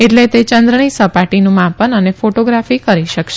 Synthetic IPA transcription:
eʈlet̪et͡ʃənd̪ɾəɳ̃isəpaʈinũmãpənənefoʈoɡɾafikəɾiʃəkʃe

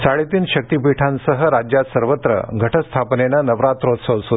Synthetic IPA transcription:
saɭit̪iːnɕək̚t̪ipiʈʰãnsəɦəɾad͡ʑjat̪səɾʋət̪ɾə̰ɡʱəʈʰəst̪ʰapnenanəʋɾat̪ɾot̪səlsu

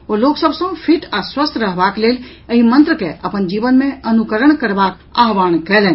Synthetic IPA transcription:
oloksəbsə̃pʰiʈaswəst̪ʰɾəɦbaklel | əɦimə̃nt̪ɾəkeʔəpənd͡ʒibənmeənukəɾəɳkəɾbak | a̰ɦʋankɛlɛn

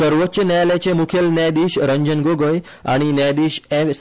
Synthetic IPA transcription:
əɾʋət̪ːɕənɛjlɛt͡ɕemukʰelnɛd̪iɕɾəɲd͡ʑənɡoɡəj | a̰ɽ̃inɛd̪iɕɛ

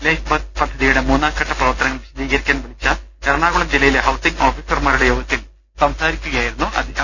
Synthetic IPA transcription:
leːɕbɐpɐd̪ʱːɐðijuɽe̞muːnːaːkːɐʈʰːɐprɐʋɐrt̪ːɐnɐŋːɐɭʋiɕɐd̪iːɣɐɾikʲːaːnʋɐɭit͡ɕːɐɐɾɐɳaːɣuɭɐmd͡ʑilɐjileɦɐwsiŋɡo̞ːfiːsɐrmaːɾuɽe̞jo̞ːɡɐt̪ːil | sɐmsaːɾikʲːuɣɐjaːjiɾunːuʔɐ̰d̪ʱiɐ

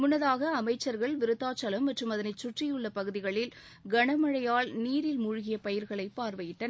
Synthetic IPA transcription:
mʊnːɐðaːɣɐːmɐɪt͡ʃːɐɾɣɐɭʋɪɾɯt̪ːaːt͡ʃːɐlɐmːɐʈrɯmɐðɐnɐɪt͡ʃːʊʈrɪjɯɭːɐpɐɣɯðɪɣɐɭɪl | ɡɐɳɐmɐɻɐjaːɭniːɾɪlmʊɻʊɣɪjɐpɐjɪɾɣɐɭɐɪpːaːɾʋɐjɪʈːɐn

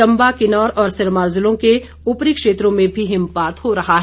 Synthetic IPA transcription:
ɐ̃mbakɪnɔːɾɔːɾsɪɾmaːɾzʊlõke | ʊpɾikʃeːt̪ɾõmẽbʱiɦɪ̃mpaːt̪ɦoɾɐɦaɦ

